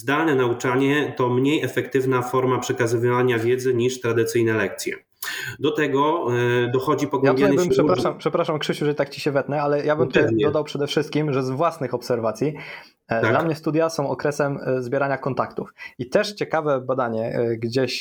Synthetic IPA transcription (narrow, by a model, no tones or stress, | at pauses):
zd̪alnɛnaut͡ʂaɲɛt̪ɔmɲejɛfɛkt̪ɘvnafɔɾmapʂɛkazɘvvaɲavʲjɛd̪zɘɲiʂt̪ɾad̪ɘt̪sɘjnɛlɛk̚t̪sʲjɛ̰ | d̪ɔt̪ɛɡɔd̪ɔxɔd͡ʑipɔɡwjamb̪janbɘmpʂɛpɾaʂampʂɛpɾaʂamkʂɘɕuʐɛit̪ak̚t͡ɕiɕɛvɛt̪nɛalɛjabɘmt̪ut̪ɛd̪ɔd̪awpʂɛd̪ɛfʂɘst̪̚kʲimʐɛzvwasnɘxɔpsɛɾvat̪sʲji | d̪lamɲɛst̪ud̪jasɔ̃w̃ɔkɾɛsɛmzbʲjɛɾaɲakɔnt̪akt̪ufit̪ɛʂt͡ɕɛkavɛbad̪aɲɛɡd͡ʑeɕ